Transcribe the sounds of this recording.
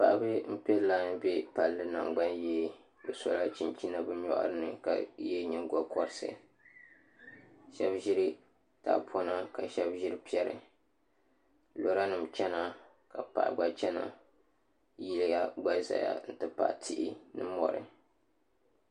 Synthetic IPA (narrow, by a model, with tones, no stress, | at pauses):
pa˨ʔbɨ˦m̩˦pɛ˦la˦n˦be˦pa˨lːɨ˦na̰˨ŋɡ͡ba˦njeː˦ | bɨ˨sɔ˨la˦t͡ʃi˨nt͡ʃi˦na˦bɨ˦ɲɔ̰˦˨ʔʊ̰˦ɾɨ˦nɨ̰˨ka̰˨jɛ˦ɲɛ˨ŋɡɔ˦kɔ˦ɾɨ˦sɨ̰˦ | ʃɛ˦bʒi˦ɾi˦ | ta̰˨pʰɔ˦na˦ka˨ʃɛ˦bʒi˦ɾpi˦ɛ˦ɾɨ̰˨ | lo˨ɾa˦nɨ˨mt͡ʃɛ˦na˦ | ka˨pa̰˨ʔɡ͡ba˦t͡ʃɛ˦na̰˨ | ji˦lja˦ɡ͡ba˦za̰˨ja̰˦n̩˦tɨ˨pa̰˨ʔtʰi˦ʔi˦nɨ˦mɔ̰˨ɾɨ̰˨